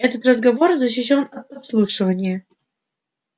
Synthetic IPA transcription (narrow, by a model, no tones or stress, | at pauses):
ɛt̪ət̪rəzɡɐvo̞rzəɕːɪɕːo̞nɐt̪̚pɐt̪slˠuʂɨvənʲɪjə